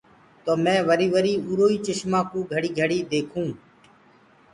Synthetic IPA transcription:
t̪oːmɛ̃ːʋəɾiːʋəɾiːuːɾoːiːt͡ʃɪʃmãːkũːɡʱəɽiːɡʱəɽiːd̪eːkʰũː

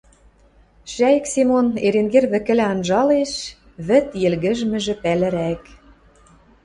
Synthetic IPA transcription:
ʃæjəksimoneɾenɡerβɘ̆kɘ̆læɑnʒɑleʃ | βɘ̆t̪jĕlɣɘ̆ʒmɘ̆ʒɘ̆pælɘ̆ɾæk

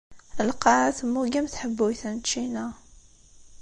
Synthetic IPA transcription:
əlqːɑʕaθəmːuɡæmθħəbːujθænt͡ʃːinæ

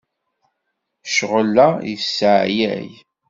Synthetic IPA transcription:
ʃʁəlːæjəsəʕjæ̰j

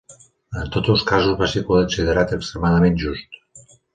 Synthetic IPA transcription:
ənt̪ot̪əlˠskazuzβasepoðəksiðəɾat̪əkst̪ɾəmaðəmenʒust̪

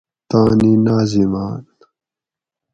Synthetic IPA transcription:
t̪aːninaːzimaːn

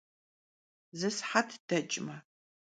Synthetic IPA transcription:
zɨsħatʰd̥ɐt͡ʃʼmɐ

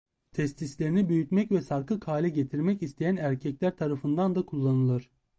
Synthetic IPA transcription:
t̪ʰɛst̪ʰislʲe̞ɾinibyjyt̪mɛcvɛsaɾkʰɯkʰaːlʲɛɟet̪ʰiɾmɛcist̪ʰe̞jænæɾcʰɛclʲæɾt̪ʰaɾafɯnd̪and̪akʰulˠːanɯlˠɯɾ̥

